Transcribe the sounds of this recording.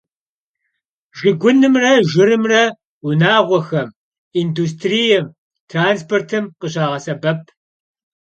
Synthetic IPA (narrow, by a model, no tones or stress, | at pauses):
ʒɪɡʷʊnɨmrɐʒɪɾɨmrɐ | ʊnaːʁʷɔxɐm | iːndus̬tʰrijɛm | tʰraːnspʰortʰɨmqəʑaːʁɐsɐbɐp̚ʰ